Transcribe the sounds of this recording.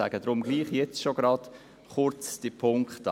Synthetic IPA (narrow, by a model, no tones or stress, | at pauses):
æ̰ɡ̥əd̥ɾʊmɡliːχjɛt͡sʃoɡ̥ɾɑd̥ | χʊɾt͡sd̥ipʰʊŋkχt